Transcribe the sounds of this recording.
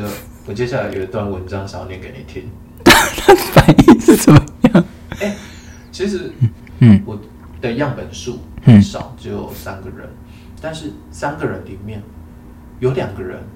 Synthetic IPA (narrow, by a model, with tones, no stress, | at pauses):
ə˧ | wɔ˨˩t͡ɕjɛ˥ɕ̬ja˥˩la˧˦ɪjo̰˨˩i˧˩t̪wa˥˩nwə˧˦nʈ͡ʂɑ˥ŋʂɑ˨˥ʊnjɛ˧˦ke˧˥ɪni˨˩t̪ʰi˥ŋ | t̪a˥t̪ʰa˥ə˨fa˨˩˦ni˥˧ŋʂɻ̩˥˩t͡sə˨˩mə˧˦jɑ˥˩ŋ | ɛ˥˩ | t͡ɕʰi˧˥ʂɻ̩˧˥˩ | wɔ˨˩ | d̪ə˨˧jɑ˥˩ŋpə˨˩nʂu˥˩˥ʂɑ̰˨˩˦ʊt͡ɕo˥˩jo̰˨˩ʊsa˥˦nɡə˨ɻə̰˧˦n | t̪a˥˧nʂɻ̩˥˩ | sa˥nɡə˨ɻə˧˦nli˨˩mjɛ˥˩n | jo˧˥ʊljɑ˨˩ŋɡə˦ɻə̰˧˦n